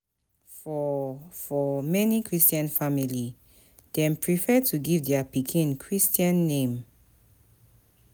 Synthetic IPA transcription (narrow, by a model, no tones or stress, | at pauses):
fɔfɔmɛnikʰɹistiãnfamili | d̥ɛ̃mpʰɹifɛtʰuɡivdɛapikʰĩnkʰɹistiãnːẽm